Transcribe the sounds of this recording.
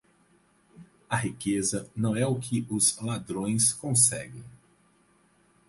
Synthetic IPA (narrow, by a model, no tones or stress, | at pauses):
ɐɦikezɐnɐ̃w̃ɛʊkʰɪʔʊzlad̪ɾõj̃skõsɛ̰ɡẽj̃